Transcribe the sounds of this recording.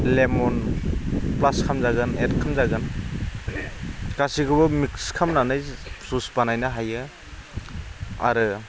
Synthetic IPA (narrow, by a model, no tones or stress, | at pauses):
lemɔn | plaskʰamzaɡɯnetkʰamzaɡɯn | kasiɡɯbɯmikskʰamnanajsusbanajnaɦajɯ | a̰ɾɯ